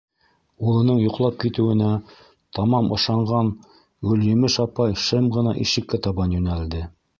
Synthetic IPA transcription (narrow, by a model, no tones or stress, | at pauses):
ulˠɤ̆nɤɴjŏqlˠɑp̚kit̪ɘ̆wɘ̆næ | t̪ɑmɑmɤ̆ʃɑɴɢɑn | ʉljɘ̆mɘʃɑpɑjʃɤmʁɤ̆nɑʔiʃɘ̆kːæt̪ɑβɑnjɵ̆næld̪ɘ